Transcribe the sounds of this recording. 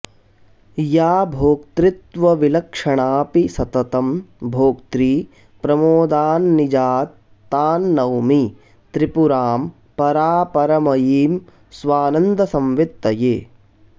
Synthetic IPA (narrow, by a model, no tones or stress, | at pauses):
jaːbʱoːk̚t̪ɾɪt̪ʋɐʋilɐkʂɐɳaːpisɐt̪ɐt̪ɐmbʱoːk̚t̪ɾiː | pɾɐmoːd̪aːnːid͡ʒaːt̪ː | aːnːɐwmi | t̪ɾipuɾaːm | pɐɾaːpɐɾɐmɐjiːm | sʋaːnɐnd̪ɐsɐmʋit̪ːɐjeː